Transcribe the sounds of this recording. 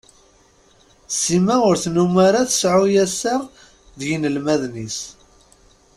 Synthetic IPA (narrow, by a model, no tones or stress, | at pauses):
simæʊɾθnumaɾaθə̥sʕujæsaʁ | ðjinəlmæðnis